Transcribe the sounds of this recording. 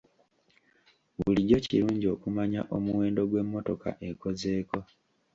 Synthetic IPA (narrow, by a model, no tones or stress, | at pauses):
βuliɟo̞ciɾuːɲɟio̞kumaɲa̰ʔo̞muwe̞ːndo̞ɡwe̞mːo̞to̞ka̰ʔe̞ko̞ze̞ːko̞